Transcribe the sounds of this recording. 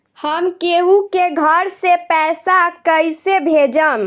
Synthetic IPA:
həmkeɦukeɡʱəɾsepɛsakəjsebʱed͡ʒəm

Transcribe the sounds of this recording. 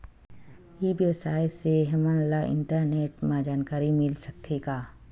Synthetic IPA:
ibjəʋsaːjseɦɛmãnlaʔɪ̰̃ɳʈəɾneːʈmãd͡ʒaːnkaːɾimɪlsɐk̚t̪ʰeːɡaː

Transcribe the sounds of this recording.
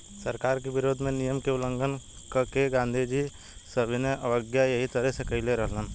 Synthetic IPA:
səɾkaːɾkeʋɪɾoːd̪ʱmẽnijəmkeʊlə̃ŋɡən | kkeɡãːnd̪ʱid͡ʒi | səbʱineʔɐʋəɡjajɐɦit̪ɐɾəsekəɪleɾəɦlən

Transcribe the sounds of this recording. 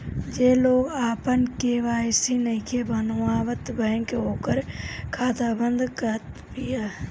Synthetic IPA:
d͡ʒeːloːɡaːpənkeːʋaːsinəɦikebənʋaːʋət̪bɛ̃ːŋkeoːkəɾkʰaːt̪abə̃nd̪ʱkət̪pijaː

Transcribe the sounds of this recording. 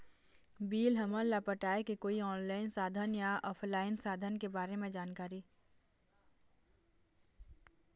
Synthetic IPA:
biːlɦɐməllːapəʈaːekekoːiɔːnlaːɪnsaːd̪ʱənjaɔːpʰlaːɪnsaːd̪ʱənkebaːɾemẽd͡ʒaːnkaːɾi

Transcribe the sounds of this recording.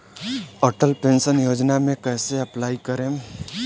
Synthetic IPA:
əʈəlpẽnsənjoːd͡ʒnamẽkɛɦseɐplaːikəɾẽ

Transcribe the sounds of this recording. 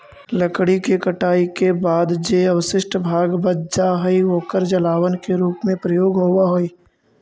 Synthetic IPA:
ləkɽikekəʈaːikebaːd̪d͡ʒeəwəʃɪʃʈbʱaːɡbəd̪̚d͡ʒaɦəiɦoːkəɾd͡ʒəlaːwənkeɾuːpmẽpɾəjoːɡɦoʊaɦoːiː

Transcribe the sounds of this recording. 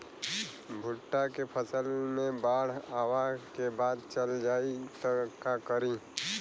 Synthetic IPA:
bʱʊʈːakepʰəsəlmẽbaːɽ̤aːʋakebaːd̪t͡ʃəld͡ʒaːit̪əkakəɾi

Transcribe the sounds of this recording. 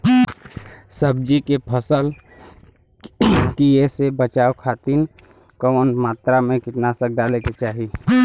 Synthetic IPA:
səbd͡ʒikepʰəsəl | kijesebət͡ʃaːokʰaːt̪iːn | kɔnmaːt̪ɾamẽkɪt̪nasək̚ɖaːleket͡ʃaːɦi

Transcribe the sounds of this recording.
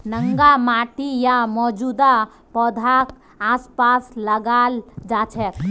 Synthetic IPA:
nəŋɡamaʈijamɔd͡ʒud̪a | pɔd̪ʱak | aspasləɡald͡ʒat͡ʃʰɛt̪

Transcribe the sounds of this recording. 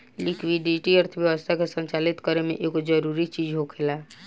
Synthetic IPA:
likwiɖiʈiəɾt̪ʰəbjəʋəst̪ʰakesənt͡ʃalit̪kəɾemḛʔeɡod͡ʒəɾuɾit͡ʃid͡ʒɦokʰela

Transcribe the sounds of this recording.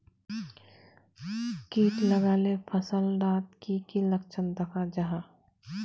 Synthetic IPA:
kiːʈləɡaːlepʰəsəlɾaːt̪kikiləkt͡ʃənd̪əkʰad͡ʒaɦaː

